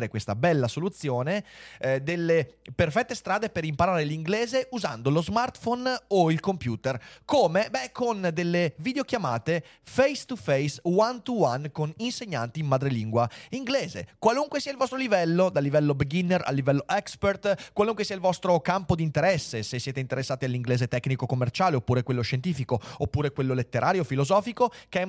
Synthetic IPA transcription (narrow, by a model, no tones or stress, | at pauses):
ɾekwest̪a̰bɛlːasolut̪sːjoːned̪elːeperfɛt̪ːest̪ɾaːd̪epeɾimpaɾaːɾeliŋɡleːzeuza̰nd̪olozmart̪fonoilkompjuːt̪erkoːmebɛkond̪elːeviːd̪eokjama̰ːt̪e | fɛjst̪ufɛjswant̪uwankoninseɲːant̪iːmmad̪ɾeliŋɡwaiŋɡleːzḛkwaluŋkwesiːailvɔst̪ɾolivɛlːod̪alːivɛlːobeɡinːera̰lːivɛlːoʔɛkspert̪kwaluŋkwesiːailvɔst̪ɾokampod̪int̪eɾɛsːesesːjeːt̪eint̪eɾesːaːt̪ialːiŋɡleːzet̪ɛkːnikokomːert͡ʃaːleopːuːɾekwelːoʃent̪iːfikoopːuːɾekwelːolet̪ːeɾʔaːɾjofilozɔːfikokɛ